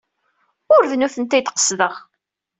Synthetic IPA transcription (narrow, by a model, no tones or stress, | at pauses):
ʊɾvnuθənt̪æjt̪ːqə̥sðəʁ